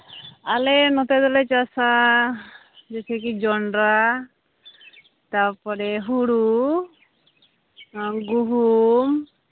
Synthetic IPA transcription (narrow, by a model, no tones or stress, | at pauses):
alenɔt̪ɛd̪ɔlɛt͡ʃasa | d͡ʒɛtʰekid͡ʒɔɳɖɾa | t̪aɾpɔɾɛɦuɽu | ɡuɦum